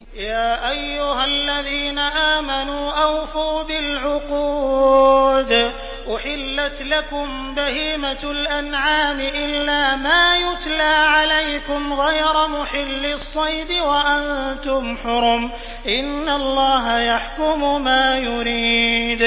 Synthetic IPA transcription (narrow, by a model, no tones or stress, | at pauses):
jaːʔajːʊɦalːaðiːnaʔaːmanuːʔawfaːbɪlʕʊquː | d̪ | ʔʊħɪlːat̪lakʊm | bahiːmalʔanʕaːmɪʔɪlːaːmaːjʊt̪laːʕalajkʊmɣɑjɾˤɑmʊħɪlːɪsˤːɑjd̪ɪwaʔant̪ʊmħʊɾʊm | ʔɪnːalˤːɑːɦajaħkʊmʊmaːjʊɾiːd̪